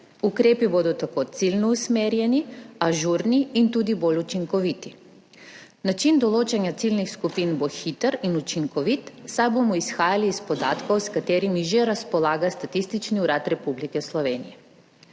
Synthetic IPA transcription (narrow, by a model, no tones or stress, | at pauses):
ukɾeːpibod̪ut̪akot̪silʲnousmeɾjeniaʒuɾniint̪ud̪iboʎʲut͡ʃiŋkoʋit̪i̥ | nat͡ʃind̪olˠot͡ʃaɲat̪silnixskupinboxit̪aɾinut͡ʃiŋkoʋit̪sabomoisxaːjaliːspo̞d̪aːt̪kooskat̪eɾimiʒɛɾaspolˠaːɡast̪at̪ist̪it͡ʃniuɾat̪ɾe̞publikeslˠoʋenije